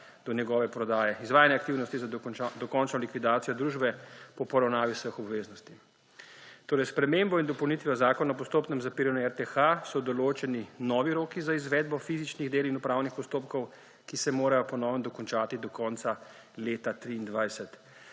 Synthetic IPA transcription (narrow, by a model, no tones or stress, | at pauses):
d̪̥ɔnjɛɡɔːʋɛpɾɔd̪aːjɛizʋaːjanjɛakt̪iːwnɔst̪izad̪ɔkɔnt͡ʃnɔlikʋid̪aːt̪ijɔd̪ɾuʒbɛpɔpɔɾawnaːʋisʋəxɔbʋeːznɔst̪i | t̪oːɾɛjspɾɛmembɔind̪ɔpɔwnit̪ʋjɔzaːkɔnaɔp̬ɔst̪oːpnɛmzapiːɾanuɛɾt̪ɛxasɔd̪ɔloːt͡ʃɛninɔːʋiɾoːkizaizʋɛːd̪bɔfizit͡ʃniɣd̪eːlinupɾawnixpɔst̪oːpkɔw | kisɛmoːɾajɔpɔnɔːʋəmd̪ɔkɔnt͡ʃaːt̪id̪ɔkɔːnt̪sa | leːt̪at̪ɾiːnd̪ʋajsɛt̪